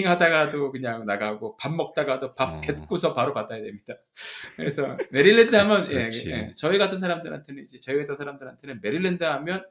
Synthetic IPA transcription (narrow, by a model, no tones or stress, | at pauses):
ŋɦadaɡadokɯɲaŋnaɡaɡopamːʌk̚t͈aɡadopap̚p͈ːet̚k͈osʰʌpaɾopat̚d͈ajadwe̞mɲid̥a | kɯɾesʰʌme̞ɾiɭːe̞ndɯɦamjʌnje̞et͡ɕʌiɡatʰɯns̬ʰaɾamdɯɾɦa̰ntʰe̞nɯnid͡ʑe̞t͡ɕʌiɡetʰansʰaɾamdɯɾɦantʰenɯnme̞ɾiɭːendɯɦamjʌn